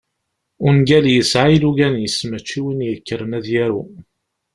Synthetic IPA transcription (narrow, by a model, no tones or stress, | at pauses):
ʊnɡæljəsʕailuɡænjəsmæt͡ʃːiwinjəkːəɾənæðjæɾu